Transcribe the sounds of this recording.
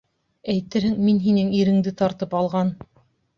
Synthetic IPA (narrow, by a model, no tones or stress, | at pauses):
æjt̪ɘɾhɘŋminɦinɘŋiɾɘ̆ŋd̪ɘt̪ɑɾt̪ɤpɑlˠʁɑn